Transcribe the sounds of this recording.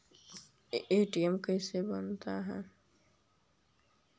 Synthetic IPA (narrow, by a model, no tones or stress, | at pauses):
eːʈiəmkɛːsebənt̪aɦɛ̰ː